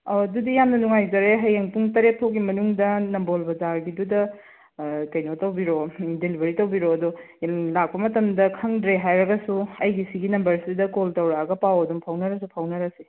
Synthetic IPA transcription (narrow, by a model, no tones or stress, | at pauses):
odudijamnɐnuŋajzɐɾeɦɐjeŋpuŋtɐɾet̚tʰok̚ɡimɐnuŋdɐnɐmbolbɐzaɾɡidudɐ | kɐjnotɐwbiɾodelibʱɐɾitɐwbiɾoɐdo | lak̚pɐmɐtɐmdɐkʰɐŋdɾeɦajɾɐɡɐsuɐjɡisiɡinɐmbɐɾsidɐkoltɐwɾaɐɡɐpawɐdumpʰɐwnɐɾɐsupʰɐwnɐɾɐse